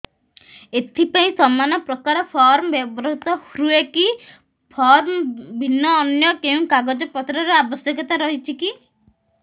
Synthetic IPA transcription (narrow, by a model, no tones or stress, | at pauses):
et̪ʰipaĩsɔmanɔpɾɔkaɾɔpʰɔɾmɔbjɔbɾɔɦt̪ɔhɾueki | pʰɔɾmbʱinːɔːnjɔkeũkaɡɔd͡ʒepɔt̪ɾɔɾɔabɔsjɔkɔt̪aɾɔɦit͡ʃʰiki